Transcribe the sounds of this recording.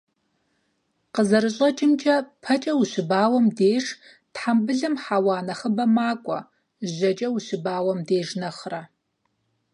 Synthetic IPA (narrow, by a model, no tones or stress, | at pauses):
qəzɐɾɨɕʼɐt͡ʃʼɪmt͡ʃʼɐpʰɐt͡ʃʼɐwuɕɪbaːwɐmdeːʂ | tħambɨɮɨmħaːwaːnɐχəbɐmaːkʷʼɔ̰ | ʒɐt͡ʃʼɐwuɕɪbaːwɐmdeːʒnɐχrɐ